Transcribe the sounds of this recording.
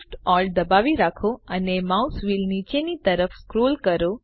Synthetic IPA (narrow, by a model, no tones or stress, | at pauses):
ʈɔld̪əbaʋiɾakʰoənemausʋilnit͡ʃenit̪əɾəfskɾolkəɾo